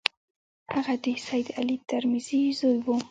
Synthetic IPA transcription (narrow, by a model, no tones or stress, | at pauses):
haɣad̪isajd̪alit̪aɾmiz̥izojwu